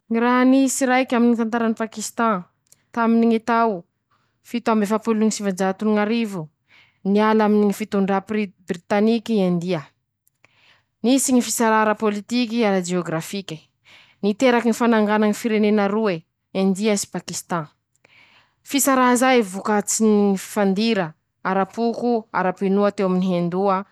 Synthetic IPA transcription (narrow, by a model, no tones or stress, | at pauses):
ŋiɾaɦnisiɾajkʲaminit̪ant̪aɾanipakist̪ɑ̃ | t̪aminiŋit̪aw | fit̪uambefapuluuŋisivand͡ʒat̪uniŋaɾivu | nialaminiŋifit̪uɳɖ͡ʐapibrit̪anikʲiand̪iə | nisiɲifisaɾaɾəpolit̪ikiaɾad͡ʒeoɡɾafikʲə̥ | nit̪eɾakinifanaŋɡanaŋifiɾenenaɾue | ẽnd̪iasi̥pakist̪ɑ̃ | fisaɾaɦzajvukat͡sinifi̥fand̪iɾə | aɾapukua̰ɾapenuat̪ewaminiɦend̪uə